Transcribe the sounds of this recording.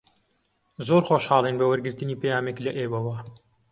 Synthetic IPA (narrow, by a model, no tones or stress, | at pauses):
zoɾχoʃhɑːlˠejnbɐwɐɾɡɨɾt̪ɨniːpɐjaːmeklɐʔewɐwɐ